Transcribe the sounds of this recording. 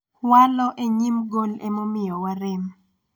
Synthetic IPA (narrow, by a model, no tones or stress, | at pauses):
walɔʔeɲimɡolemomɪjɔwaɾɪm